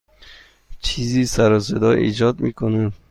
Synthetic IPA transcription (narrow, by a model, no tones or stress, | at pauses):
t͡ʃʰizisaɾɔs̬ed̪ɔʔḭd͡ʒɔd̪mikʰunad̪